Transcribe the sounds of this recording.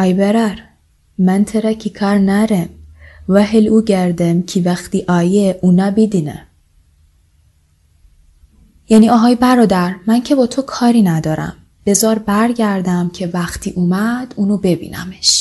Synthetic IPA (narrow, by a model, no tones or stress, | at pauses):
ɒjbeɾæɾ | mænt̪ʰeɾæcʰikʰɑɾnæɾemvæɦeluːɟæɾd̪emcʰivæxt̪iːʔɒːjeʔunæbid̪inḛ | jæniɒːɦɒːjbæɾɒːd̪æɾmæncʰe̞bɒːt̪ʰokʰɒːɾiːnæd̪ɒːɾæ̰m | b̥e̞zɒːɾbæɾɟæɾd̪æmcʰevæxt̪ʰiːʔuːmæd̪̥uːnobe̞bḭːnʔæ̰meʃ